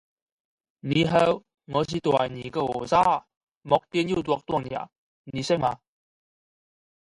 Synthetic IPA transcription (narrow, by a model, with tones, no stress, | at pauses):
niː˨˧ɦɛː˧w | ŋɔː˨˧siː˨˧t̪wa̰˨˩jniː˨˩kɛ˧ɔː˨˩saː˥ | mɔ˨˧k̚t̪i˧nji˥˩t̪wɔ˧k̚t̪u˧˩˨ŋni˨a̰˨˩ | ni˨˧sɪ˥ŋmaː˧